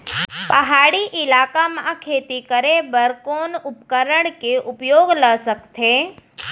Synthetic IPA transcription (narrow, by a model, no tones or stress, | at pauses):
pəɦaːɽiʔɪlaːkamãkʰeːt̪ikəɾebəɾkoːnʊpkəɾəɽ̃keʔʊpjoːɡləsəkt̪ʰeː